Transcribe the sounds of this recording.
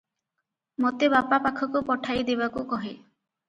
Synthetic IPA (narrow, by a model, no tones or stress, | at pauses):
mot̪ebapapakʰɔkupɔʈʰajd̪ebakukɔɦe